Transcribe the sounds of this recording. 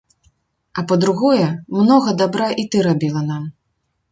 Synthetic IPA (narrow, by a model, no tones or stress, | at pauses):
ɐpɐd̪ɾuɣɔjɛmnɔɣɐd̪abɾaʔit̪ɨɾabʲilˠɐnam